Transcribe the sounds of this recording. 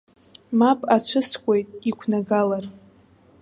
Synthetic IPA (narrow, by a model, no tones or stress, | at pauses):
mapʼat͡ɕʷʰɨskʷʼe̞jtʼikʷʰnaɡalar